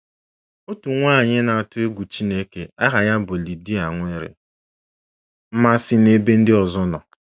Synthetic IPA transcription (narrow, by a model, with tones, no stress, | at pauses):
o˦tu˨ŋʷaː˦˨ɲɪ˦na˨a˨tʊ˦e˦ɡʷu˨t͡ʃi˦ne˦ke˨a˦ɦa˨ja˦bʊ˨li˨di˦a˨ŋʷ˦e˦ɾɪ̰˨ | m̩˦ma˦sɪ˨ne˦be˦n̩˦dɪ˦ɔ˨zɔ˦nɔ˨